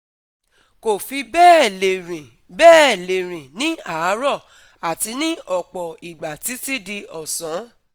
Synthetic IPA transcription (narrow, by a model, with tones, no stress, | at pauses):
ko˨fi˧bɛː˦˨le˨ɾĩ˨ | bɛː˦˨le˨ɾ̃ĩ˨nĩ˦a˨˦ɾɔ˦˨ | a˨ti˧˦nĩ˦ɔ˨k͡pɔ˨i˨ɡ͡ba˨ti˨˦ti˦di˧ɔ˨sɔ̃˨˦